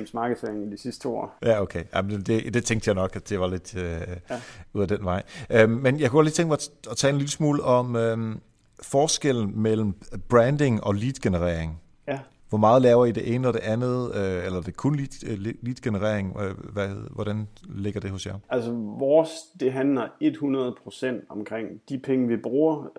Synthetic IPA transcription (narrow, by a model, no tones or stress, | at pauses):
m̩smɑ̈ːɡ̥əð̩ˠfeɐŋid̥isisd̥t͡sʰo̰jæokʰeɪja̰md̥e̝d̥e̝t͡sʰeŋɡ̥̚d̥jɑɪnɒ̽ɡ̥æd̥e̝ʋɑ̈le̝d̥ø | uðˠæd̥enʋɑ̈ɪ̰ʔømːenjɑ̈kʰuɡ̥ɒliːt͡sʰeŋɡ̥mɑɒ̽t͡sʰɛ̰ːlenliləsmuːləʔɒ̽mø | fɒːsɡ̥el̰n̩mel̰m̩b̥ʁænd̥e̝ŋɒ̽liːd̥ɡ̥enəʁɛɐ̰eŋ | ʋɒmɑ̈ːð̞̩ˠlɛːʊɐid̥e̝ʔe̝ːnəɒ̽d̥e̝ʔænð̩ˠøelɐd̥e̝kʰɔnlid̥liːd̥ɡ̥enəʁḛɐ̰e̝ŋʋæʋɒɾ̥ænle̝ɡ̥ɐd̥e̝hɔ̽sjɑ̈ɪʔælsəʋɒːsd̥e̝ɦænlɐe̝d̥hunɐð̞ˠpʰʁo̝sen̰d̥ɒmkʰʁeŋ̰d̥ipʰeŋəʋib̥ʁuːɐ